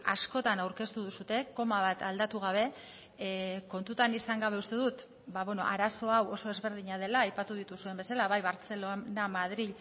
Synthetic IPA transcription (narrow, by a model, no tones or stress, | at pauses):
a̰sko̞t̪anawɾke̞st̪uðusut̪e̞ko̞maβ̞at̪ʰald̪at̪uɣ̞aβ̞e̞ | ko̞nt̪ut̪anisaŋɡaβe̞ust̪e̞ðut̪ | baβeno̞̰ʔaɾaso̞awo̞so̞e̞zβe̞ɾð̞iɲað̞e̞laːjpat̪uðit̪usue̞mbe̞salaβajβaɾt͡se̞lonamaðɾiʎ